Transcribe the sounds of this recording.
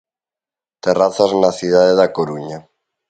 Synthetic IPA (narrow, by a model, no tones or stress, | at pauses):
t̪eraθaznaθið̞aðeðakoɾuɲa